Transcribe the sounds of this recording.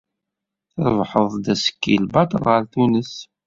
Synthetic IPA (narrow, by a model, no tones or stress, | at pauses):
θəɾˤvħəðˤd̪æsə̥kːḭlbɑt̪ˤəlʁəɾθunəs